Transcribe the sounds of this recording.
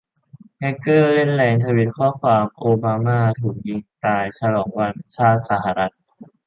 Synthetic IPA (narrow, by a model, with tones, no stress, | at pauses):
hɛ˧kɤː˥˩le˥˩nlɛː˧ŋt̪ʰa˧wi˦˥t̪̚kʰɔː˥˩kʰwaː˧mʔoː˧baː˧maː˥˩t̪ʰuː˨˩k̚ji˧ŋt̪aː˧jt͡ɕʰa˧lɔː˩˦ŋwa˧nt͡ɕʰaː˥˩t̪̚sa˧˦ɦa˧˩ɾa˦˥t̪̚